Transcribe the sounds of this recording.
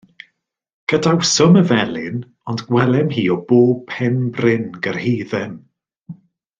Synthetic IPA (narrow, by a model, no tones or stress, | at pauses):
ɡ̥ədawsɔməvɛlˠɪn | ɔndɡwɛlˠɛmɦiːɔboːb̚pʰɛnbrɪnɡərhiːðɛm